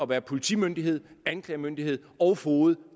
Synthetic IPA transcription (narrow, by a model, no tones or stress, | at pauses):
ɒ̽ʋæːɐpʰo̝lit͡sʰḭmønd̥iɦe̝ð̞̰ˠænkʰlɛ̰ːmønd̥ihe̝ð̞̰ˠɒ̽ʊhoːð̩ˠ